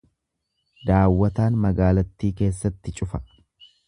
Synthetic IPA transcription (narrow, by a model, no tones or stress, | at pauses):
d̪aːwːɐt̪aːnmɐɡaːlɐt̪ːiːke̞ːsːɐt̪ːɪt͡ʃʼʊfɐ̥